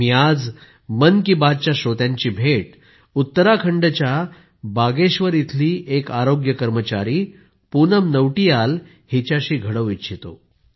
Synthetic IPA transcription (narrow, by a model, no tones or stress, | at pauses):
mjad͡z | mənkibad͡z̚t͡ɕjaɕot̪jãɲt͡ɕiːbʱeʈ | ut̪ːəɾakʰəɳɖət͡ɕja | baɡeɕʋəɾit̪ʰliːʔekaɾoɡjəkəɾmət͡ɕaɾiː | punəmnəʋʈijal | hit͡ɕaɕiːɡʱəɽəʋiɕʰit̪o̰